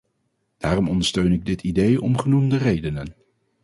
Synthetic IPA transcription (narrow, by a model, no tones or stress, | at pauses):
d̥aːrɔmɔndəɹstøɥnɪɡ̚dɪtʰidejɔ̰mχənumdərejdənən